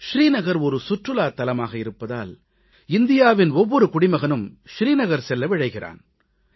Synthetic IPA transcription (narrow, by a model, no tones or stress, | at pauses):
ʃɾiːnɐɣɐɾɔɾɯsʊʈrɯlaːt̪ːɐlɐmaːɣɐɪɾɯpːɐða̰ːl | ɪnd̪ɪjaːʋɪnɔʋːɔɾɯkʊɽɪmɐɣɐnɯmʂɾiːnɐɣɐɾsɛlːɐʋɪɻɐɪɣɪrʔa̰ːn